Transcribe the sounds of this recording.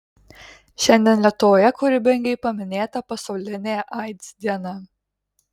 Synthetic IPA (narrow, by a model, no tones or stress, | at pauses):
ʃʲɛnʲd̪ʲɛnlʲiɛt̪oːjɛkʊɾʲɪbʲɛŋʲɡʲɛɪpɐmʲɪnʲeːt̪ɐpɐsɒʊlʲɪnʲeːʔɐɪt̪ʲsd̪ʲiɛnɐ